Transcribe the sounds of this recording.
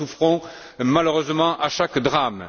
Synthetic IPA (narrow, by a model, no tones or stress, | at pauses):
ufχɔ̃ | maløʁøzmɑ̃ʔaʃakd̪ʁam